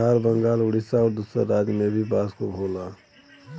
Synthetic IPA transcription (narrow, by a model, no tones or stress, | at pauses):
aːɾbə̃ŋɡaːlʊɽɪsaɔːɾd̪usɾə̰ɾːaːd͡ʒmẽbʱibaːskobʱoːlaː